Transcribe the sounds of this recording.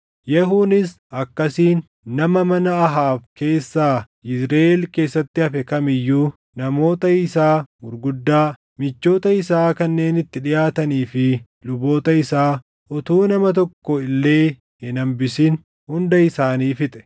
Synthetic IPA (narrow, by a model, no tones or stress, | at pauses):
jɛɦuːnɪs | ɐkːɐsiːnː | ɐmɐmɐnɐɐɦaːfke̞ːsːaː | ʔɪsɾeːɛlke̞ːsːɐt̪ːɪɐfɛkɐmɪjːuː | nɐmo̞ːt̪ɐɪsaːmʊɾɡʊd̪ːaː | mɪt͡ʃːo̞ːt̪ɐɪsaːkɐnːe̞ːnɪt̪ːɪᶑɪjaːt̪ɐniːfɪ | lʊbo̞ːt̪ɐɪsaː | ʔɔt̪uːnɐmɐt̪̬ɔkːɔɪlːe̞ː | hɪnɐmbɪsɪn | hʊnd̪ɐɪsaːniːfɪt̪ʼɛ̥